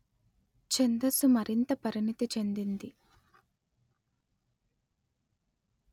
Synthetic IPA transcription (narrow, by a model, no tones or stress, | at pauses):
t͡ʃend̪ɐsumɐɾint̪ɐpɐɾinit̪it͡ʃe̞nd̪ind̪i